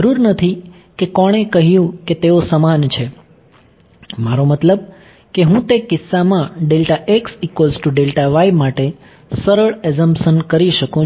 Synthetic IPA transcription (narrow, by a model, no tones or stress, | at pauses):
əɾuɾnət̪ʰi | kekɔɽ̃ekəɦjũket̪eosəmant͡ʃʰe | maɾomət̪ləb̚ | keɦũt̪ekɪsːamãɖelʈaʔeksikʋəlzʈuɖelʈaʋaimaʈe | səɾəɭezəmpʃənkəɾiʃəkũ